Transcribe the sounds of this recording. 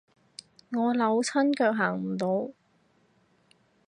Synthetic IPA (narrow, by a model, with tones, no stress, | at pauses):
ŋɔː˨˧lɐ˨˧˥wt͡sʰɐ˥nkœː˧k̚ɦaː˨˩ŋm̩˨˩t̪o˨˧w